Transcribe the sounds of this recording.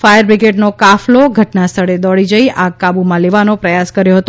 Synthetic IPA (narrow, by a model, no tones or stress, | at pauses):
fajəɾbɾiɡeʈnokafloɡʱəʈnast̪ʰəɽed̪ɔɭid͡ʒəiʔakabumãleʋanopɾəjaskəɾjoɦət̪o